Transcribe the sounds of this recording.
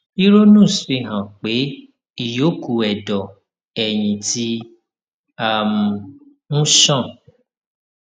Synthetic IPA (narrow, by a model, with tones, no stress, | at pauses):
i˦ɾo˦nũ˦˨sfi˦˧˨ɦã˨k͡pe˨˦ | i˦˨jo˨˦ku˨ɛ˨dɔ˨ | ɛ˨j̃ĩ˨tʰi˦ | a˨m̩˨ | nũ˦ʃã˦˨